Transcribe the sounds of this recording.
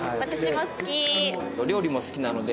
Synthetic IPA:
βat̪aɕimosɨ̥kʲioɾʲo̞ːɾʲimosɨ̥kʲinano̞d̪e

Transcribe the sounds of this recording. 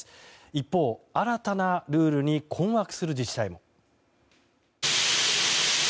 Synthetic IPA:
ipːo̞ːaɾat̪anaɾɯ̟ːɾɯ̟ɲ̟ikʰõ̞ɰ̃wakɯ̟̥sɨɾɯ̟d͡ʑiɕi̥saimo̞

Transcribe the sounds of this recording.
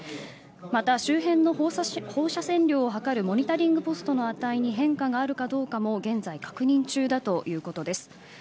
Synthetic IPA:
mat̪aɕɨːɦẽ̞nːo̞ho̞ːɕasẽ̞nɾʲo̞ːɦakaɾɯ̟mo̞ɲ̟it̪aɾʲĩŋɡɯ̟po̞sɨ̥t̪o̞no̞at̪aiɲ̟iɦẽ̞ŋkaɡaːɾɯ̟kad̪o̞ːkamo̞ɡẽ̞nd͡zaikḁkɯ̟ɲ̟ĩɲt͡ɕɨːd̪at̪o̞jɯ̟ːko̞t̪o̞d̪e̞sɨ̥

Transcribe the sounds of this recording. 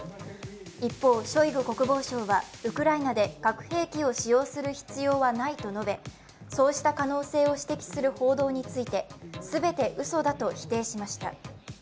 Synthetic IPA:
ipːo̞ːɕo̞iɡɯ̟ko̞kɯ̟bo̞ːɕo̞ːβaɯ̟kɯ̟ɾainad̪e̞ɡ̥akɯ̟̥he̞ːkʲio̞ɕijo̞ːsɨɾɯ̟çi̥t͡sɨjo̞ːβanait̪o̞no̞be̞ | so̞ːɕi̥t̪akano̞ːse̞ːo̞ɕi̥t̪e̞kʲi̥sɨɾɯ̟ho̞ːd̪o̞ːɲ̟it͡sɨit̪e̞sɨbe̞t̪e̞ʔɯ̟so̞d̪at̪o̞çi̥t̪e̞ːɕimaɕi̥t̪a̰

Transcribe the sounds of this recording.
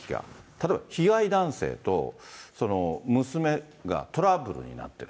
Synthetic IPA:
iɡa̰t̪at̪oːbaçiɡaid̪ãɰ̃se̞̰ːt̪o̞̰so̞no̞mɯ̟sɨme̞ | ɡa̰t̪o̞ɾabɯ̟ɾɯ̟̰ɲ̟ḭna̰t̪ːe̞ɾɯ

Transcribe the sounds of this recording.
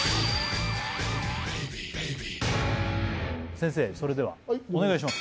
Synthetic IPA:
sẽ̞ɰ̃s̬e̞ːso̞ɾe̞d̪e̞βa̰one̞ɡaiɕ̬ima

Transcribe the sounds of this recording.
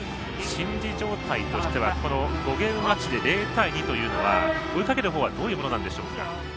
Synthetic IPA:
ɕĩɲd͡ʑid͡ʑo̞ːt̪ait̪o̞ɕi̥t̪e̞β̞ako̞noɡo̞ɡẽ̞mmːat͡ɕid̪e̞ɾe̞ːt̪aiɲ̟it̪o̞jɯ̟ːno̞βaoikake̞ɾɯ̟ɦo̞ːβad̪o̞ːjɯ̟ːmo̞noãnd̪e̞ɕo̞ːka̰

